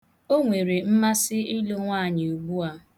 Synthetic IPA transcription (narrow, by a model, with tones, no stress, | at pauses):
o˦ŋʷe˨ɾe˨m̩˦ma˦sɪ˦i˦lo˦ŋʷaː˦˨ɲɪ˨u˨ɡ͡bu˦a˦